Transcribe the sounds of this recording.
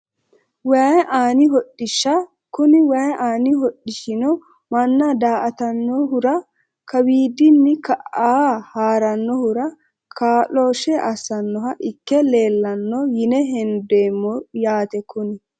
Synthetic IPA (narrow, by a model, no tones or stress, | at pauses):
wajʔaːnɪɦɔɗɪʃːɐ | kʊnɪwajʔaːnɪɦɔɗɪʃɪnɔ | mɐnːɐd̪aːʔɐt̪ɐnːɔɦʊɾɐ | kɐbiːd̪ɪnːɪkɐʔaːhaːɾɐnːɔhʊɾɐ | kʰaːloːʃɛʔɐsːɐnːɔɦɐʔɪkːɛle̞ːlːɐnːɔjɪnɛɦɛnd̪eːmːɔjaːt̪ɛkʊnɪ